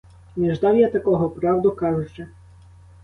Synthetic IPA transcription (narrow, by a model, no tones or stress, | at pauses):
nʲɛʒd̪ɑwjat̪ɐkɔɦɔpɾɑwd̪ʊkɑʒʊt͡ʃɛ